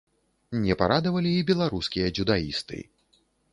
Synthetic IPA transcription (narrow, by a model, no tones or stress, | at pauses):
nʲɛpaɾad̪ɐvɐlʲiːbʲɛlˠaɾuskʲijɐd͡ʒʲud̪aḭst̪ɨ̰